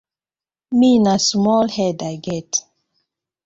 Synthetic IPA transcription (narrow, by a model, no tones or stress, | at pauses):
miːnasmɔlhɛdaɡɛt